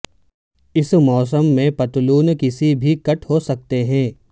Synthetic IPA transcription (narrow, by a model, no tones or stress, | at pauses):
ɪsmɔːs̬əmːẽpɐt̪luːnkɪsibʱikɐʈhosɐk̚t̪eɦɛ̃ː